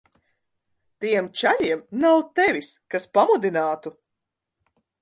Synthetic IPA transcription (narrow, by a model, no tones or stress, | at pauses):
t̪iɛmt͡ʃaʎiɛmnawt̪evʲiskaspamud̪inaːt̪u